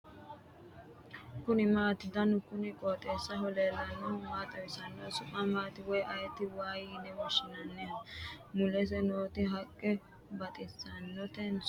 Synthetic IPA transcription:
kʊnɪmaːt̪ɪd̪ɐnʊkʊnɪkʼoːt̪ʼeːsːɐɦɔleːlːɐnːɔmaːt̪ʼɐwɪsɐnːɔsʊpʼamaːt̪ɪwɔjʔɐjɛt̪ɪwaːjiːnɛwɔʃɪnɐnːɛɐmʊlɛs̬ɛnoːt̪ɪɦɐkʼːɛ | bɐt̪ʼɪsːɐnːɔt̪ɛns

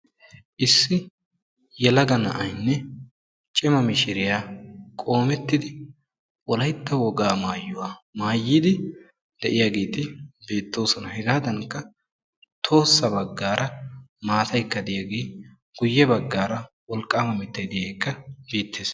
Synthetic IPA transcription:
ʔɪsːɪ | jɛlɐɡɐnɐ̰ʔɐjnːɛ | t͡ʃʼɪmɐmɪʃɪɾɪjaːkʼo̞ːmɛt̪ːɪd̪ɪ | wɔlɐjt̪ːɐwɔɡaːmaːjːʊwaːmaːjːɪd̪ɪ | d̪̥ɛʔɪjaːɡeːt̪ɪbe̞ːt̪ːo̞ːsɔnɐhɪɡaːd̪ɐŋkːɐ | t̪ʰo̞ːsːɐbɐɡːaːɾɐmaːt̪ʰɐjkːɐd̪ɪjaɡeː | ɡ̥ʊjːɛbɐɡːaːɾɐ | wɔlkʼːaːmɐmɪt̪ːɐjd̪ɪjɐjkːɐbeːt̪ʰːeːs

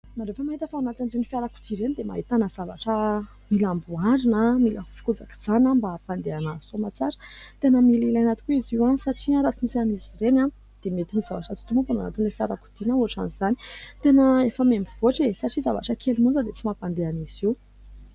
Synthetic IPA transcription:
naɾefəmaɦit̪əfaanat̪anzeunifjaɾaku̥d̪iɾend̪ema̰ɦit̪anəz̥avaʈ͡ʂə | milambuaɾinəmiləfi̥kud͡zaki̥d͡zanambapand̪eanazi̥somat͡saɾə̥t̪enəmililanat̪i̥kuiziwasaʈ͡ʂiɾat͡sinit͡saniziɾena | d̪̥emet̪inizavaʈ͡ʂat͡si̥t̪umupana̰na̰t̪inlefiaɾaku̥d̪̥inauaʈ͡ʂa̰nizani̥t̪enəefəmembiv̥oʈ͡ʂesaʈ͡ʂizava̰ʈ͡ʂəkʰelimund͡zəd̪et͡simapand̪eaniz̥iw

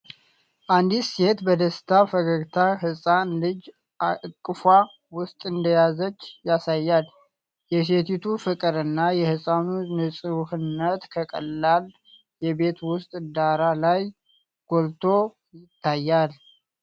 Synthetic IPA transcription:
ʔand̪ise̞t̪bəd̪əst̪ʰafəɡəɡt̪ʰaɦɨsʼanlɨd͡ʒ | akʼːɨfwa | wʊst̪ʼɨnd̪əjazət͡ʃːjasajːal | jɛs̬e̞t̪it̪ʰufɨkʼɨɾɨnːajɛhɨsʼanunɨsʼɨwhɨnːət̪kʰəkʼə̰lːal | jɛbe̞t̪wʊst̪ʼd̪aɾalaj | ɡ̥o̞lt̪ʰo̞ | jɪt̪ʰːajːal

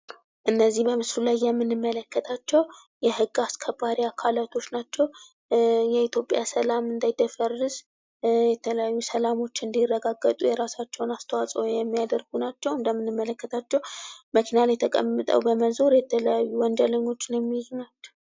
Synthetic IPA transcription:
ʔɨnːəzːihbəmɨslulajːɛmːɨnɨmːələkːət̪ʰat͡ʃːɛw | jɛhɨɡːaskʰəbaɾiakʰalat̪ʰo̞t͡ʃːnat͡ʃːɛw | jɛit̪ʰjo̞pʼjasəlamɨnd̪ajd̪əfərːɨz̥ | jɛt̪ʰələjajːusəlamo̞t͡ʃːɨnd̪irːəɡaɡːət̪ʼujɛɾasat͡ʃːɛwnast̪ʰəwasʼəwjɛmːijad̪əɾɡ̥unat͡ʃːɛwɨnd̪əmːɨnɨmːələkːət̪ʰat͡ʃːɛwməkʰinalajɛt̪ʰəkʼə̰mːɨt̪ʼə̰wbəməzoɾjɛt̪ʰələjajːuwɔnd̪ələɲːo̞t͡ʃːɪnjɛmːihjnat͡ʃːɛ̥w

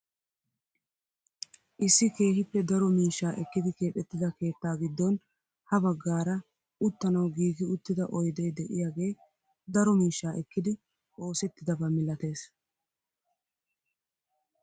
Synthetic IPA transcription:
ʔɪsːɪke̞ːhɪpːɛd̪ɐɾɔmiːʃːaːʔɛkːɪd̪ɪke̞ːtːɛt̪ːɪd̪ɐke̞ːt̪ːaːɡɪd̪ːɔn | hɐbɐɡːaːɾɐ | ʔʊt̪ːɐnɐwɡiːɡɪʊt̪ːɪd̪ɐʔɔjd̪ɛjd̪ɛʔɪjaːɡe̞ː | d̪ɐɾɔmiːʃːaːʔɛkːɪd̪ɪ | ʔo̞ːsɛt̪ːɪd̪ɐbɐmɪlɐt̪e̞ːs

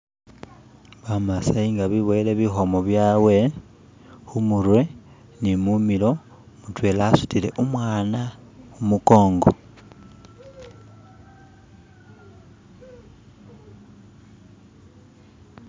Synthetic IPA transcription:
βamasaiŋɡaβiβoile̞βixo̞mo̞βjaːwe̞ | xumuɾwe̞ | nimumilo̞ | mutwe̞lasu̥tile̞ʔumwaːna | umuko̞ːŋɡo

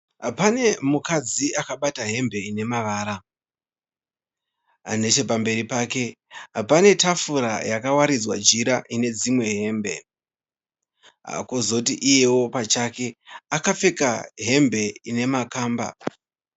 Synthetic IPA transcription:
ɦapane̞mukad͡ziʔakaɓataɦe̞mbe̞ine̞maʋaːɾa | a̰ne̞t͡ʃe̞pambe̞ɾipaːke̞ | apane̞tafuɾa̰jakawaɾid͡zwa̰d͡ʒiɾaʔine̞d͡zimwe̞ɦe̞ːmbe̞̰ | ɦa̰kozo̞tiʔije̞wo̞pat͡ʃake̞akap͡fe̞kaɦe̞mbe̞ine̞makaːmba̰

